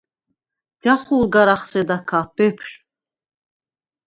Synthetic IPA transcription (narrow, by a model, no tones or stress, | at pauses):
d͡ʒaχulɡaɾaχsɛd̪akʰabɛpʰʃ